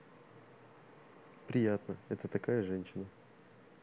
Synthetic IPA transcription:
pɾʲɪjat̪nəɛt̪ət̪ɐkajəʐɛnʲɕɪnə

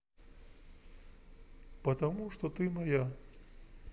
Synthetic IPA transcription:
pɐt̪ɐmuʂt̪ɔt̪ɨmɐja

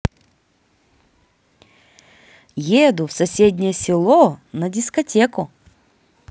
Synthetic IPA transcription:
jed̪ʊfsɐsʲedʲnʲɪjəsʲɪlˠonɐdʲɪskɐtʲekʊ

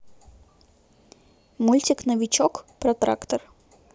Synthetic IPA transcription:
mulʲtʲɪknəvʲɪt͡ɕokpɾɐt̪ɾa̰kt̪ər

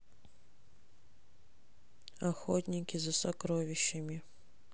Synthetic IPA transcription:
ɐxɔtʲnʲikʲizɐsɐkɾɔʋʲɪʃːɐmʲi

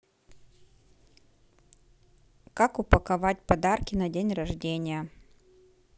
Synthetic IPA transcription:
kakʊpəkɐvat̚ʲpɐd̪arkʲɪnɐdʲenʲrɐʐdʲenʲɪjə

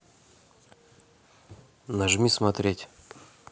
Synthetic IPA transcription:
nɐʐmʲismɐt̪ɾʲetʲ

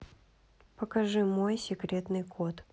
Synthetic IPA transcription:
pəkɐʐɨmojsʲɪkɾʲet̪nɨjkʰot̪

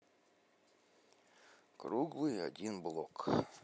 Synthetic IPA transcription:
kɾuɡlˠɨjɐ̰dʲinblˠok

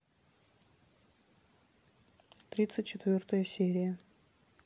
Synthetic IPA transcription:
t̪ɾʲit̪sɨtʲt͡ʃːɪt̪vʲort̪əjəsʲeɾʲɪjə

